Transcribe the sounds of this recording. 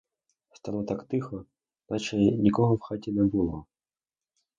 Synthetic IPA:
st̪alˠɔt̪akt̪ɨxɔ | nat͡ʃɛnʲikɔɣɔfxatʲɛnʲɛbɨlˠɔ

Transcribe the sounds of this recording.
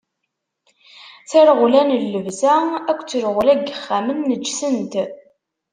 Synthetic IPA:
t͡sæɾəʁlænlːəvzæækʷːt͡sːəɾʁlæɡəχːæmənːəd͡ʒːsənt̪

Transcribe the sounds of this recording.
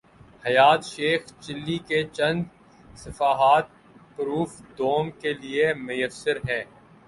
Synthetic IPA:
hɐjaːt̪ʃeːxt͡ʃɪlːiket͡ʃɐ̃nd̪ | sɐfaːɦaːt̪̚ | pʊɾuːfd̪oːmkeliemʊjəsːɪɾɦɛ̃ː

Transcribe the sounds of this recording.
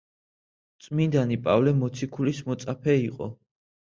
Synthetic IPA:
t̪sʼmind̪anipʼavlɛmɔt̪sʰikʰulismɔt̪sʼapʰɛiqʼɔ̰

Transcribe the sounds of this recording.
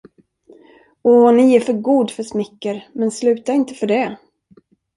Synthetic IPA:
ɔːnɪæfœɾɡuːd̪fœʂmɪkːəɾmɛnslʉ̟ːt̪aɾɪnt̪əfœɖɛ

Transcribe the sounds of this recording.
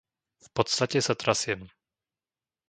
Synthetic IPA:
fpɔt̪st̪acɛsat̪ɾasjɛn

